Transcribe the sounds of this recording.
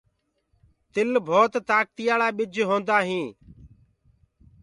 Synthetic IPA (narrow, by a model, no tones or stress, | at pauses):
t̪ɪlbʱoːt̪t̪aːk̚t̪ɪjaːlaːɓɪd͡ʒʱɦõːnd̪aːɦĩː